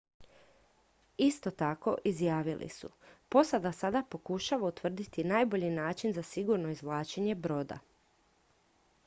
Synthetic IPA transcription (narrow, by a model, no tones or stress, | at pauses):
ist̪o̞t̪ako̞ʔizjaːʋilʔḭsṵpo̞sad̪asad̪apo̞kuʃaʋaut̪ʋr̩d̪it̪inaːjbo̞ʎinaːt͡ʃinzasiɡuɾno̞izʋlˠaːt͡ʃeɲe̞bɾo̞d̪a̰